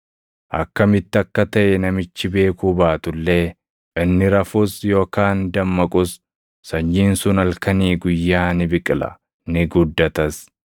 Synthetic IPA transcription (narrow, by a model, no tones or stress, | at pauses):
ʔɐ̰kːɐmɪt̪ːɪɐkːɐt̪ɐʔɛnɐmɪt͡ʃːɪbe̞ːkuːbaːt̪ʊlːe̞ː | ʔɪnːɪɾɐfʊsjo̞ːkaːnd̪ɐmːɐkʼʊsː | ɐɲːiːnsʊnɐlkɐniːɡʊjːaːnɪbɪkʼɪlɐ̰ | nɪɡʊd̪ːɐt̪ɐs